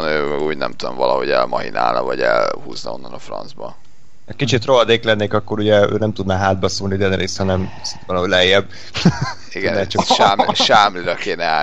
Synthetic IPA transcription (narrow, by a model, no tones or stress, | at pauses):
nøːuːɟnɛmt̪ud̪omvɒlɒɦoɟɛlmɒɦina̰ːlnɒvɒɟɛlhuːznɒo̞nːɒnɒfrɒnzbɒ | ɛkit͡ʃit̪roɦɒd̪eːklɛnːeːkɒkːo̞ɾuɟɛø̰ːnɛmt̪ud̪naːɦaːd̪̚bɒsulnid̪ɛnɾeːst̪hɒnɛm | sint̪ʋɒlɦoɟlɛɛjːɛb̚ | iɡɛɛːt͡ʃɒʃaːmʃaːmliɾɒkeːnɛa